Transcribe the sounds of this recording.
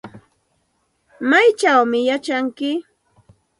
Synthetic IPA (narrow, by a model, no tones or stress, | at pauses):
majt͡ʃawmɪjat͡ʃaŋkɪ